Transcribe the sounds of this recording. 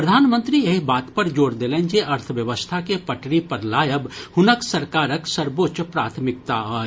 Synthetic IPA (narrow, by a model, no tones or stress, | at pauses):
pɾəd̪ʱaːnmə̃nt̪ɾieɦbaːt̪pɐɾd͡ʒoːɾd̪eːlẽːnd͡ʒeʔɐɾt̪ʰəʋjəʋəst̪ʰakepɐʈʰɽipɐɾlaːjəbhʊnəksɐɾkaːɾəksəɾboːtːt͡ʃpɾaːt̪ʰmɪk̚t̪aɦoː